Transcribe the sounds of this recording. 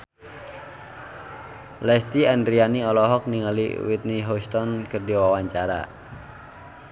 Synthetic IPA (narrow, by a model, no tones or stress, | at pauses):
lɛst̪iɛndɾianiɔlɔɦɔk̚niŋəlḭwit̪̚niɦɔst̪ɔnkərdiwawaɲt͡ʃaɾa̰